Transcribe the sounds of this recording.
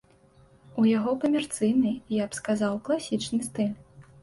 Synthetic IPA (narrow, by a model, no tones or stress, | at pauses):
ujaɣɔkɐmʲɛrt̪sɨjnɨjapskazawklˠasʲit͡ʂnɨst̪ɨlʲ